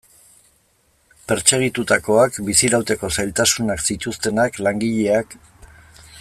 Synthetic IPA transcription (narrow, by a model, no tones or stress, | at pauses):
pe̞ɾt͡se̞ɣ̞it̪ut̪ako̞akbisiɾawt̪e̞ko̞sajlt̪asunaksit̪ust̪e̞naklaŋɡiʎe̞ak